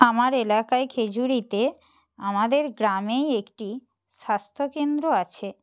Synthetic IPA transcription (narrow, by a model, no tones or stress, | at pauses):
amaɾelakaekʰed͡ʑuɾit̪e | amad̪eɾɡɾamejekʈi | ʃast̪ʰokend̪ɾoat͡ɕʰe